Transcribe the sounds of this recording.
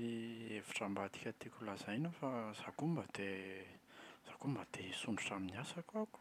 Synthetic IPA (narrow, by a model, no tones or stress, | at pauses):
iefi̥ʈ͡ʂambad̪i̥kʲət̪ikʲulaz̥ajnəfaz̥akumbad̪e | z̥akumbad̪̥eisuɳuʈ͡ʂaminiasakaku̥